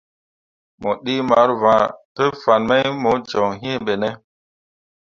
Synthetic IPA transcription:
mo˨ɗi˦ma˨˦ɾvã˨pe˦fa˨nma˦jmo˨˦d͡ʒɔ˨ŋɦĩ˦e˦ɓe˨ne˦

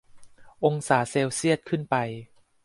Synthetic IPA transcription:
ʔo˧ŋsaː˩˦seː˧wsi˥˩ət̪̚kʰɯ˥˩npa˧j

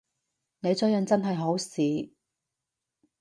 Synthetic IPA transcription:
ne˨˧jt͡sɵ˨˥jɐ˨nt͡sɐ˥nɦɐ˨jɦo˨˥wsiː˨

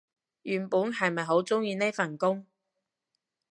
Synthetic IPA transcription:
jyː˨npuː˨˥nɦɐ˨jmɐ˨jɦo˨˥wt͡sʊ˥ŋjiː˧ne˥fɐ˨˩nkʊ˥ŋ

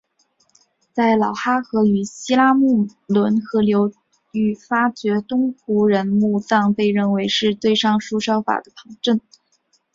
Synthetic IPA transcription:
t͡sa˥˩ɪlɑ˨˩ʊxa˥xɤ˧˥y˨˩ɕi˥la˥mu˥˩lwə˧˥nxɤ˧˥ljo˧˥ʊ | y˨˩fa˥t͡ɕɥɛ˧˥t̪ʊ˥ŋpʰu˧˥ɻə˧˥nmu˥˧t͡sɑ˥˧ŋpe˥˧ɪɻə˥˩nwe˧˥ɪʂɻ̩˥˧t̪we˥˩ɪʂɑ˥ŋʂu˥ʂjɑ˥ʊfa̰˨˩d̪ə˦pʰɤ˧˥ŋʈ͡ʂə˥˩n

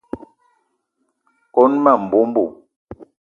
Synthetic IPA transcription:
kɔ˦nma˦˨m̩˨bu˨˦m˦bu˨

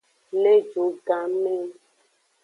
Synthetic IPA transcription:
le˦d͡ʒo˨˦ɡã˨˦me˦

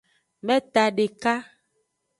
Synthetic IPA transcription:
mɛ̃˦t̪a˨ɖe˨ka˦

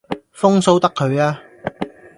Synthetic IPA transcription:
fʊ˥ŋso˥wt̪ɐ˥kʰːɵ˨˧ɥaː˥

